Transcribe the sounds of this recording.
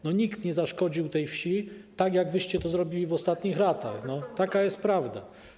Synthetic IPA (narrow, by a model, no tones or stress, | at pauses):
nɔɲikt̪ɲɛzaʂkɔd͡ʑiwt̪ɛjfɕit̪aɡjaɡvɘɕt͡ɕɛt̪ɔzɾɔbʲilʲivɔst̪at̪ɲixɾat̪axnɔt̪akajɛst̪̚pɾavd̪a